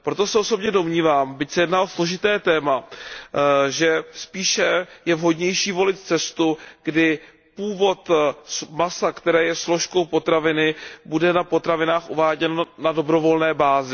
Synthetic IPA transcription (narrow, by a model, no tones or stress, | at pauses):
pɾo̞t̪o̞sɛʔo̞so̞bɲɛdo̞mɲiːvaːmbɪcsɛjɛdnaːʔoslo̞ʒɪt̪ɛːt̪ɛːma | ʒɛspiːʃɛjɛvɦo̞dɲɛjʃiːvo̞lɪt̪t͡sɛst̪uɡdɪ | puːvo̞t̪smasakt̪ɛɾɛːjɛslo̞ʃko̞wpo̞t̪ɾavɪnɪbudɛnapo̞t̪ɾavɪnaːxʔuvaːɟɛnnado̞bɾo̞vo̞lnɛːbaːzɪ